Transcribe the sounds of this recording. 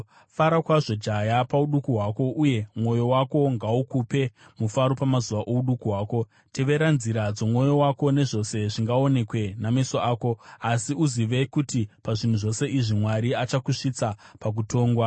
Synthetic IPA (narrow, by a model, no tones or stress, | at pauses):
faɾakwaʐo̞d͡ʒajapauɗukuɦwaːko̞ʔuje̞mwo̞jo̞wako̞ŋɡaukupe̞mufaɾo̞pamazuʋaʔo̞uɗukuɦwaːko̞ | te̞ʋe̞ɾanziɾad͡zo̞mŋo̞jo̞wako̞ne̞ʐo̞se̞ʐiŋɡaone̞kwe̞nameso̞aːko̞asiuziʋe̞kutipaʐin̤uʐo̞se̞ʔiʐimwaɾiat͡ʃakuʂit͡sapak̬utʰo̞ːŋɡwa